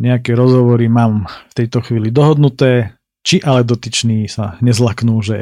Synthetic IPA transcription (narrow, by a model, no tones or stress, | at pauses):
ɲɛakɛːɾɔzɦɔʋɔɾimaːmft̪ɛjt̪ɔxʋiːlid̪ɔɦɔd̪nut̪ɛː | t͡ʃiʔalɛd̪ɔt̪it͡ʃniːsaɲɛzlaknuːʒɛ